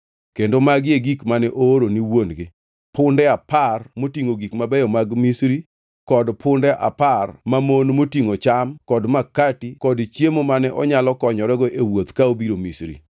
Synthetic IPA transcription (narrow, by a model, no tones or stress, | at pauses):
kendomaɡjeɡikmanɛʔoːɾoniwonɡɪ | pʰʊndɛaparmotiŋoɡikmabɛjɔmaɡmisɾi | kɔdpʰʊndɛʔa̰parmamonmotiŋot͡ʃamkɔdmakatikɔdt͡ʃjemomanɛʔɔɲalɔkɔɲɔɾɛɡɔʔewot̪kaobiɾomisɾḭ